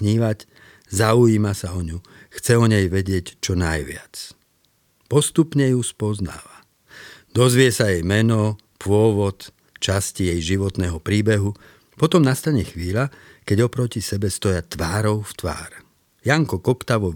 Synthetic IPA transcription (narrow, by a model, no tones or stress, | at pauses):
ɲiːʋac | zaujiːmasaɔɲu | xt͡sɛɔɲɛjʋɛɟɪɛct͡ʃɔnajʋɪa̰t͡s | pɔst̪upɲɛjuspɔzna̰ːʋa | d̪ɔzʋɪɛsajɛjmɛnɔ | pʊɔʋɔt̪ | t͡ʃascijɛjʒiʋɔt̪nɛːɦɔpɾiːbɛɦu | pɔt̪ɔmnast̪aɲɛxʋiːʎa | kɛɟɔpɾɔcisɛbɛst̪ɔjat̪ʋaːɾɔʊft̪ʋa̰ːɾ | jaŋkɔkɔkt̪aʋɔ